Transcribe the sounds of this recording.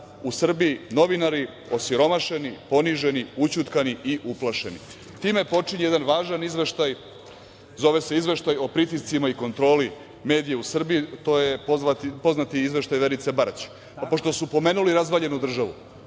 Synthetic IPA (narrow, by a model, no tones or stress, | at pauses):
usr̩bijino̞ʋinaɾi | o̞siɾo̞maʃe̞nipo̞niʒe̞niut͡ɕut̪kaniʔiʔuplˠaʃe̞nḭ | t̪iːme̞po̞t͡ʂiɲeje̞d̪anʋaːʒanizʋe̞ʃt̪aj | zo̞ʋe̞se̞izʋe̞ʃt̪ajo̞pɾit̪ist̪simaiko̞nt̪ɾo̞ːli | me̞ːd̪ijeusr̩biit̪o̞jeoapo̞znat̪iizʋe̞ʃt̪ajʋe̞ɾit̪sebaɾat͡ɕ | po̞ʃt̪o̞supo̞me̞ːnuliɾazʋaʎe̞nud̪r̩ʒaʋṵ